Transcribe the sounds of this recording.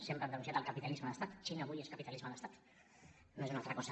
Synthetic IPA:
sempɾəamnd̪ənunsjat̪əlˠkapit̪alizməðəst̪at̪t͡ʃinaːβujeskapit̪alizməðəst̪at̪ | noezunalˠt̪ɾəkɔsə

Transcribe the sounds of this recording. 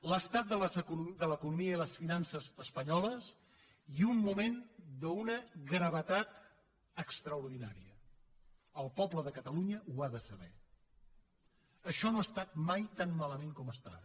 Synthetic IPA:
ləst̪at̪̚d̪ələzəkud̪ələkunumiəiləsfinansəzəspəɲɔləs | iumːumend̪əunəɣɾəβ̞ət̪at̪ | əkst̪ɾəuɾðina̰ɾiə | əlˠpɔbləðəkət̪əluɲəʔuaðəsəβɛ | əʃɔnoast̪at̪̚majt̪anmaləmeŋkɔməst̪a̰ɾ

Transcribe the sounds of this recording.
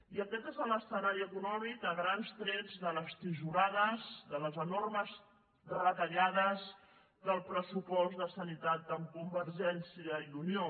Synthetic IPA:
iəkɛt̪ezələsənaɾiəkunɔmikəɣɾanst̪ɾɛd͡zðələst̪iʒuɾaðəzðələzənorməz | ðərət̪əʎaðəz | d̪əlˠpɾəsupɔzðəsənit̪at̪əmkumbəɾʒɛnsiəiðunio

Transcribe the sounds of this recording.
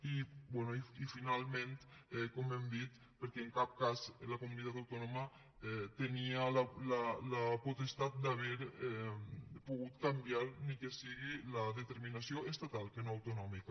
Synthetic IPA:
ibwɛnoiifinalment̪ɛkomɛmd̪it̪ | pəɾkɛːŋkap̚kazlakumunit̪at̪awt̪onoma | ɛt̪enialalalaput̪est̪at̪̚d̪aβɛɾ | puɣut̪kambjaɾnikesiɣilaðet̪eɾminasjoʔest̪at̪alˠkenoawt̪unɔmika

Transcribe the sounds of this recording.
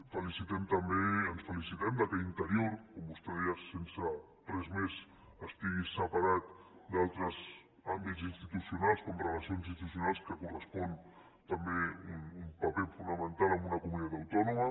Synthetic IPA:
fəlisit̪ɛmt̪əmbeənsfəlisit̪ɛmd̪əkɛint̪əɾioɾkombust̪eðɛəsensə | t̪ɾɛzmez | əst̪iɣisəpaɾat̪̚d̪alˠt̪ɾəz | ambitzinst̪it̪usiunalˠskomrəlasionzinst̪usiunalˠskəkurəspɔn | t̪əmbeunumpapɛfunəmənt̪alˠəmbunəkumunit̪at̪awt̪ɔnumə

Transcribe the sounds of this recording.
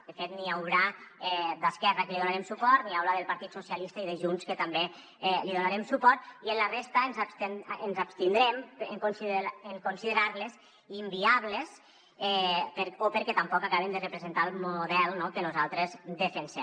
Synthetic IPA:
d̪əfet̪niawɾaɛd̪əskɛrakəliðunaɾɛmsupɔɾt̪niawɾaðelˠpaɾt̪it̪susialist̪aiðəʒunskət̪ambe | ɛliðonaɾemsupɔɾt̪iənlərest̪ənzast̪enənzapst̪ind̪ɾɛmeŋkunsiðeŋkunsiðəɾaɾlez | imbiaβles | ɛpəɾopəɾkɛt̪ampɔkakaβemd̪ərəpɾezent̪alˠmuðɛlˠnokənuzalˠt̪ɾezd̪əfensɛ

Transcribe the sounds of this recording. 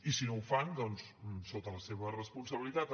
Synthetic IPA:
isinowfand̪ɔnssot̪ələseβərəspunsəβilit̪at̪

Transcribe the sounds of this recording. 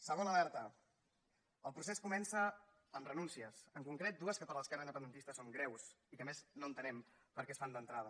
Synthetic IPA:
səɣ̞onəlɛɾt̪ə | əlˠpɾuseskumɛnsə | ənrənunsiəsəŋkuŋkɾet̪̚d̪uəskəpəɾləskaɾind̪əpənd̪ənt̪ist̪əsoŋɡɾɛws | ikəmeznoənt̪ənɛmpəɾkɛsfand̪ənt̪ɾaðə

